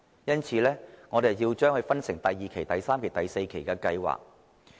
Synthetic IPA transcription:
jɐ˥nt͡sʰiː˨˧lɛː˥ŋɔː˨˧ɾe˨jjiː˧wt͡ʃœː˥ŋhɵ˧ɥfɐ˥nsɪ˨˩ŋt̪ɐ˨jːiː˨˩kʰe˨˩jt̪ɐ˨jsaː˥mkʰe˨˩jt̪ɐ˨jse˧jkʰe˨˩jkɛː˧kɐ˧jwa̰ː˨k̚

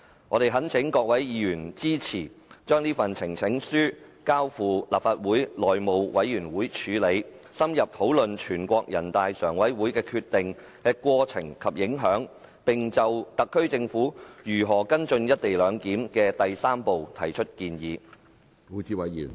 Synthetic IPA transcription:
ŋɔː˨˧ɾe˨jɦɐ˨˥nt͡sʰɪ˨˥ŋkɔː˧k̚wɐ˨˥jjiː˨˧jyː˨˩nt͡siː˥t͡sʰiː˨˩ | t͡ʃœː˥ŋniː˥fɐ˨nt͡sʰɪ˨˩ŋt͡sʰɪ˨˥ŋsyː˥kaː˥wfuː˨˧laː˨p̚faː˧t̚wuː˨˥jlɔː˨jmo˨wwɐ˨˥jjyː˨˩nwuː˨˥jt͡ʃʰyː˨˧le˨˧jsɐ˥mjɐ˨p̚t̪ʰo˨˥wlɵ˨nt͡ʃʰyː˨˩nkʷɔː˧k̚jɐ˨˩nt̪aː˨˧jsœ̰ː˨˩ŋwɐ˨˥jwuː˨˥jkɛː˧kʰyː˧t̪ɪ˨ŋ | kɛː˧kʷɔː˧t͡sʰɪ˨˩ŋkʰɐ˨p̚jɪ˨˥ŋɦœː˨˥ŋpɪ˨ŋt͡sɐ˨wt̪ɐ˨kʰːɵ˥ɥt͡sɪ˧ŋfuː˨˥jyː˨˩ɦɔː˨˩kɐ˥nt͡ʃɵ˧njɐ˥t̚t̪e˨jlœː˨˧ŋkiː˨˥mkɛː˧t̪ɐ˨jsaː˥mpo˨wt̪ʰɐ˨˩jt͡ʃʰɵ˥t̚kiː˧njiː˨˧ | o˨˥t͡siː˧wɐ˨˦j

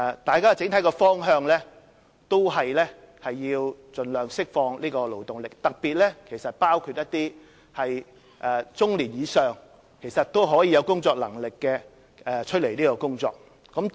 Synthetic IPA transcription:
t̪aː˨jkaː˥t͡sɪ˨˥ŋt̪ʰɐ˨˥jkɛː˧fɔː˥ŋɦœː˧ŋlɛː˥ | t̪o˥wɦɐ˨jlɛ˥ | hɐ˨jːiː˧wt͡sɵ˨nlœː˨ŋsɪ˥k̚fɔː˧ŋliː˥kɔː˧lo˨˩wt̪ʊ˨ŋlɪ˨k̚t̪ɐ˨k̚piː˨t̚lɛː˥kʰe˨˩jsɐ˨t̚paː˥wkʰyː˧t̚jɐ˥t̚t̪iː˥ | hɐ˨j | ʔɛː˨˩t͡sʊ˥ŋliː˨˩njiː˨˧sœː˨˩ŋ | kʰe˨˩jsɐ˨t̚t̪o˥wɦɔː˨˥jiː˧jɐ˨˧wkʊ˥ŋt͡sɔː˧k̚lɐ̰˨˩ŋlɪ˨kːɛː˧ | ɛ˨˧t͡ʃʰɵ˥t̚le˨˩jniː˥kɔː˧kʊ˥ŋt͡sɔ̰ː˧k̚ː | ɔ˨˧˥m

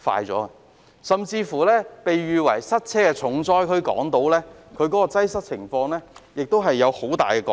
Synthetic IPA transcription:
fa̰ː˧jt͡sɔ̰ː˨˥ɐ˨ | sɐ˨mt͡siː˧fuː˨˩lɛː˥pe˨jɥyː˨wɐ̰˨˩jsɐ˥t̚t͡sʰɛː˥kɛ˧t͡sʰʊ˨˥ŋt͡sɔː˥jkʰɵ˧˥ɥkɔ̰ː˨˥ŋt̪o˨˥wlɛː˥kʰɵ˨˧ɥkɔː˨˥kɔː˧t͡sɐ˥jsɐ˥t̚t͡sʰɪ˨˩ŋfɔː˧ŋlɛː˥jɪ˨k̚t̪o˥wɦɐ˨jːɐ˨˧who˨˥wt̪aː˨˩jkɛː˧kɔ̰ː˨˧

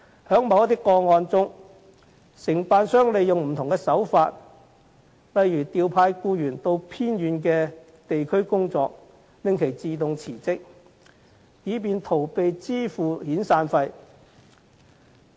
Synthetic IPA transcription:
hœː˨˥ŋmɐ˨˧wjɐ˥t̪ːɪ˥kːɔː˧ŋɔː˧nt͡sʊ˥ŋ | sɪ˨˩ŋpaː˨˧nsœː˥ŋle˨jjʊ˨ŋm̩˨˩t̪ʰʊ˨˩ŋkɛː˧sɐ˨˥wfaː˧t̚ | lɐ˨˧jjyː˨˩t̪iː˨˧wpʰaː˧jkuː˧jyː˨˩nt̪o˧wpʰiː˥njyː˨˧nkɛː˧ | t̪e˨jkʰɵ˥ɥkʊ˥ŋt͡sɔː˧k̚ | lɪ˧ŋkʰe˨˩jt͡siː˨t̪ʊ˨ŋt͡sʰiː˨˩t͡sɪ˥k̚ | jiː˨˧p̬iː˨nt̪ʰo˨˩wpe˨jt͡siː˥fuː˨hiː˨˥nsaː˧nfɐ˧j

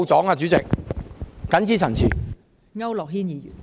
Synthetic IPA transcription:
wt͡sɔː˨˥ŋaː˧t͡ʃy˨˥t͡sɪ˨k̚ | kɐ˨˥nt͡sʰiː˨˥t͡sʰɐ˨˩nt͡sʰyː˨˩ | ŋɐ˥wlɔː˨k̚hiː˥njiː˨˩jy̰ː˨˩n

